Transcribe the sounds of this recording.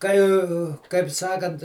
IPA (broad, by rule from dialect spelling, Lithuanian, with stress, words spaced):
ˈkɐɪ kɐɪp ˈsɑːkɐnt